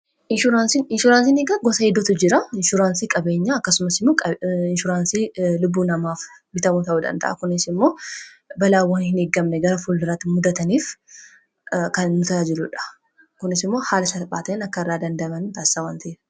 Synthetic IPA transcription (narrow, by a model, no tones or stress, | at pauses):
ʔɪnʃʊɾaːnsinɪnʃʊɾaːnsiːnɛɡɐɡɔsɐɛd̪ːɔt̪ʊd͡ʒɪɾɐɪnʃʊɾaːnsiːkʼɐbe̞ːɲːaɐkːɐsʊmɐsɪmːoːkʼɐɪnʃʊɾaːnsiːlʊbːuːnɐmaːf | bɪt̪ɐmut̪ɐʔuːd̪ɐ̰nd̪ɐ̰ʔɐ̰kʊnɪsɪmːo̞ː | bɐlaːwɐnhɪneːɡːɐmnɛɡɐɾɐfuːlːɪɾɐt̪ːɪmʊd̪ɐt̪ɐniːf | kɐmʊt̪ɐaːd͡ʒɪlʊᶑɐ̥ | kʊnɪsɪmːo̞ːhaːlɐsɐt̪ɐpʼːaːt̪ɐɛnɐkːɐɪrːaːd̪ɐnd̪ɐmɐnt̪aːsːawaːnt̪ɐeːɾɐ